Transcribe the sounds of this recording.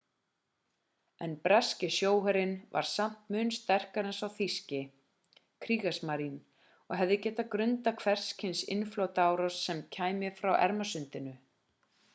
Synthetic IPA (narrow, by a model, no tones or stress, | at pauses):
ɛnpɾascɪsjoːwɦɛɾɪnva̰ɾ̥sam̥t̪mʏnst̪ɛr̥kaɾɛnsawθiscɪ | kʰɾiːɣasmaɾin | ɔɦɛvðɪcɛːt̪akɾʏnt̪akʰvɛr̥scʰɪnsɪ̰nfloːwt̪aːwɾɔsːɛmcʰaːjmɪfɾawʔɛ̰ɾmasʏnt̪ɪnʏ